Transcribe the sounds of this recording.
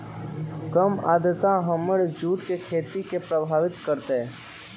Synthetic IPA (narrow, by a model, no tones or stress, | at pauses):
kəmaːd̪ət̪ãɦəməɽd͡ʒuːʈkekʰeːt̪ikepɾəbʱaːʋɪt̪kəɾt̪e